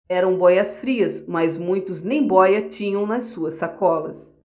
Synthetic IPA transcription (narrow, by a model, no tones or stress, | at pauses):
ɛɾɐ̃w̃bɔjɐsfɾiɐsmɐzmũj̃t̪ʊznẽj̃bɔjɐt͡ʃĩɲɐ̃w̃nɐsːuɐsːakɔlɐ̰s